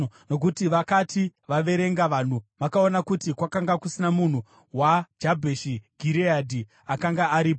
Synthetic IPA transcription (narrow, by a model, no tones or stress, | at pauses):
no̞k̬utiʋakatiʋaʋe̞ɾe̞ŋɡaʋaːn̤umakao̞nakutikwakaŋɡakusinamun̤u | wad͡ʒabʱeʃiɡʱiɾiadʱi | akaŋɡaːɾiːpo